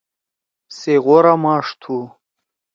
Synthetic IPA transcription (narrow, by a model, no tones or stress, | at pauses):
seɣoɾamɑːʂt̪ʰu